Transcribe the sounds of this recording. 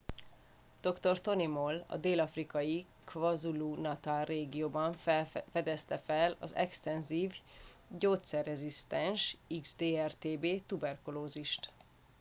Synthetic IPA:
d̪̥o̞kt̪o̞rt̪o̞nimolɒ̰d̪eːlɒfrikɒji | kvɒzuluːnɒt̪aːlrːeːɡijoːbɒɱffɛd̪ɛst̪ɛfɛlɒ̰zɛ̰kst̪ɛnziːv | ɟoːt̪sɛrːɛzist̪ɛnʃiɡzd̪eːɛrt̪eːbeːt̪ubɛrkuloːziʃt̪

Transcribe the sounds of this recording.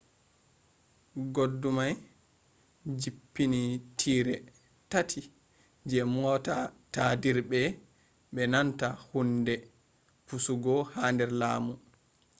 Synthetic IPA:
ɡodːumaj | d͡ʒipːinitʰiːɾɛ | tatʰi | d͡ʒɛmɔtatadiɾbɛ | ɓɛnantahundɛ | pusuɡɔhandɛɾlaːmu

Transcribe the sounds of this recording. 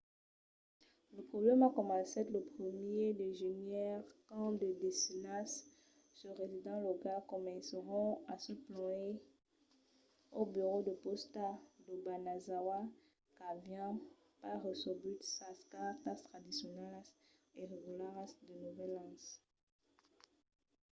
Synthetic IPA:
ləpχɔblɛmakɔmɑ̃sɛt̪ləpχəmjed̪eʒenjɛʁkɑ̃d̪əd̪esinas | səʁezid̪ɑ̃lɔkakɔmɛ̃səʁɔ̃asəplɔ̃e | obyʁod̪əpɔst̪ad̪əbanazawa | kavjɑ̃ | paʁəsɔbyt̪saskat̪ast̪χad̪isjɔnɛlas | eʁeɡulaʁasd̪ənuvɛlɑ̃s

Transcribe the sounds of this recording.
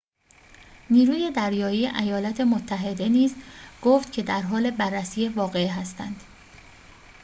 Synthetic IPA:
niːɾuːje̞d̪æɾjɒːjiːʔæjɒːlæt̪ʰe̞mot̪ʰːæɦe̞d̪e̞niːzɡ̥oːft̪cʰe̞d̪æɾɦɒːle̞bærːæsiːjevɒːɣe̞ɦæst̪ænd̪̥

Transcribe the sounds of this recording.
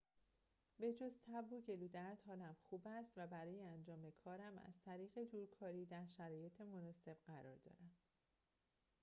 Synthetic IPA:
be̞d͡ʒozt̪ʰæboɟe̞luːd̪æɾd̪hɒːlæmxuːbæst̪væbæɾɒːjeænd͡ʒɒːmekʰɒːɾæmæ̰z̥t̪ʰæɾiːɣe̞d̪uːɾkʰɒːɾiːd̪æɾʃæɾɒːje̞t̪ʰe̞mo̞nɒːse̞b̥ɢæɾɒ̰ːɾd̪ɒ̰ːɾæm

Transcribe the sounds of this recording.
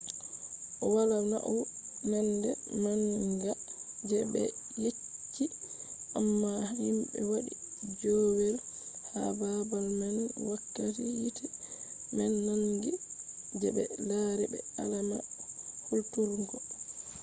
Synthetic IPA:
ʔɔwalana̰ʔɔ | mɛndɛnanɡad͡ʒɛbɛ̰je | t͡ʃːi | ʔamːahimɓɛ̰waɗid͡ʒɔwɛl | ha̰babalmanwakːatijitʰimɛnːaŋɡid͡ʒɛbɛ̰laɾɛbɛ̰alama̰hultuɾɡɔ

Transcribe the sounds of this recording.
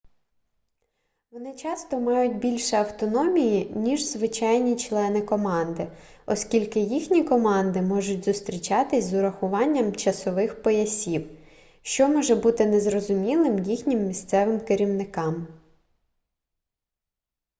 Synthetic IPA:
ʋɔnɪt͡ʃɑst̪ɔmɑjʊt̚ʲbʲilʲʃɛɐwt̪ɔnɔmʲijinʲiʒzʋɪt͡ʃɑjnʲit͡ʃlˠɛnɪkɔmɑnd̪ɪɔskʲilʲkɪjixnʲikɔmɑnd̪ɪmɔʒʊt̚ʲzʊst̪ɾʲit͡ʃɑt̪ɪsʲzʊɾɐxʊʋɑnʲːɐmt͡ʃɐsɔʋɪxpɔjɐsʲiw | ʃt͡ʃɔmɔʒɛbut̪ɪnɛzrɔzʊmʲilˠɪmjixnʲɪmːʲist̪sɛʋɪmkɪɾʲiwnɪkɑm

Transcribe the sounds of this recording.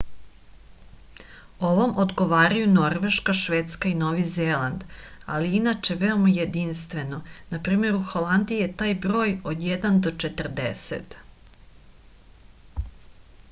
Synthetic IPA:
o̞ʋomʔo̞d̪ɡoʋaːɾajuno̞ɾʋe̞ʃkaʃʋeːt̪skaino̞ːʋizeːland̪a̰liinat͡ʃe̞ʋeo̞majed̪inst̪ʋe̞no̞napɾiːme̞ɾuxolˠand̪ijet̪aːjbɾo̞ːjod̪jɛd̪and̪o̞t͡ʃet̪rd̪ḛsḛt̪

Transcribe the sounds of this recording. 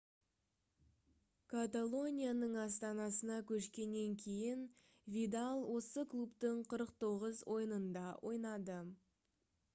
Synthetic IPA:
kʰat̪alˠo̞nʲijanəɴɑst̪ɑnɑsənɑkʲʰɵʃkʲe̞nːe̞ŋkʲʰe̞jɪn | vʲid̪alˠwʔo̞səklˠupt̪əɴqʰəɾəq̚t̪ʰo̞ʁəzwʔo̞jənənd̪ɑwʔo̞jnɑd̪ə

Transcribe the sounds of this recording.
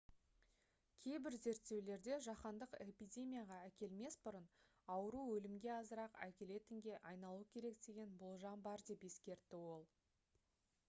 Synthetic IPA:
kʲʰe̞jbɪɾze̞ɾt̪ːe̞wle̞ɾd̪e̞ʒɑqɑnd̪əqe̞pijdʲe̞mʲijaʁɑækʲe̞lme̞sbʊɾən | ɑwəɾuwɵlɪmɡʲe̞ɑzəɾɑqæ̰kʲe̞le̞t̪ɪŋɡʲe̞ʔɑjnɑlˠukʲʰe̞ɾe̞k̚d̪e̞ɡʲe̞nbʊlˠʒɑmbɑɾd̪e̞pe̞skʲe̞ɾt̪ːɪwo̞lˠ

